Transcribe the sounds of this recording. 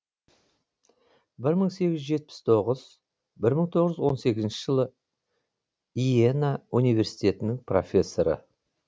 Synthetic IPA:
bɪɾməɴse̞ɡʲɪʒʒe̞t̪̚pɪ̥st̪ʰo̞ʁəz | bɪɾməɴt̪ʰoʁəʒwo̞nse̞ɡʲɪznʃɪ̥ʒ̥əlˠə | ijenaunijvʲe̞ɾsijt̪ʲe̞t̪ɪnɪŋpro̞̰fʲe̞sːo̞ɾə̰

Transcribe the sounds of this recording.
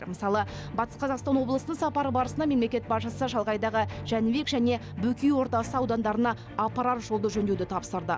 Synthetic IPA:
məsɑlˠə | bɑt̪ə̥sqʰɑzɑqst̪ɑnwo̞blˠəsənəɴsɑpɑɾəbɑɾəsənɑme̞mle̞kʲe̞t̪̚bɑʃəsəʒɑlˠʁɑjd̪ɑʁəʒ̥ænɪbe̞kʒæne̞ | bɵkʲijwo̞ɾt̪ɑsəɑwd̪ɑnd̪ɑɾənɑː | pɑɾat̪ʒo̞lˠd̪əʒɵnd̪ewd̪ɪt̪ʰɑpsəɾd̪ə̰

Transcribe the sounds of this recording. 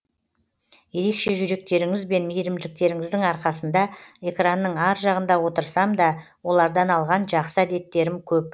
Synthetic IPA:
je̞ɾe̞kʃe̞ʒʏɾe̞k̚t̪e̞ɾɪŋɪzbe̞nmijɾɪmd̪ɪlɪk̚t̪e̞ɾɪŋɪzd̪ɪŋɑɾqɑsənd̪ɑe̞kranːəɴɑɾʒɑʁənd̪ɑwot̪əɾsɑmd̪ɑ | wo̞lˠɑɾd̪ɑnɑlˠʁɑnʒɑqsəæd̪e̞t̪ːe̞ɾɪmkʲʰɵp̚

